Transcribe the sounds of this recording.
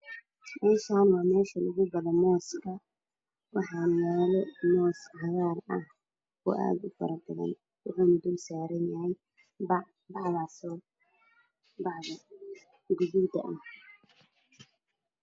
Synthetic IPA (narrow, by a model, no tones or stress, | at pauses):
mɛːʃaːnwɑːmɛːʃɐlʊɣʊbɐlɔmɔːskʰɐ | wɑħɑːmɛːlɛmɔːshɑɣaːrɐh | kʰʊ̰ʔa̰ːd̪ʊfɐ̰ɾɐd̪ɪɣɐ̰n | wʊ̰ħuːnɐd̪ʊlsaːɾɐnjɐhɛj | b | bɑʕðasɔː | bɑʕðɐ | ɡʊðud̪ɐ̰ʔɐh